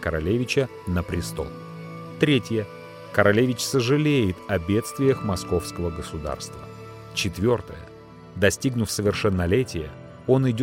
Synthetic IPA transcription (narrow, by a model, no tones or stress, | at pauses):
kəɾɐ̰lʲevʲɪt͡ɕə | nəpɾʲɪst̪o̞̰lˠ | t̪ɾʲetʲjə | kəɾɐlʲevʲɪt͡ɕsəʐɨlʲejɪt̪ɐbʲe̞t̪st̪vʲɪjəxmɐsko̞fskəvəɡəsʊd̪a̰rst̪və̰ | t͡ɕɪt̪vʲo̞rt̪əjə̰ | d̪ɐsʲtʲiɡnʊfsəvʲɪrʂɛnːɐlʲetʲɪjə | o̞nɪdʲ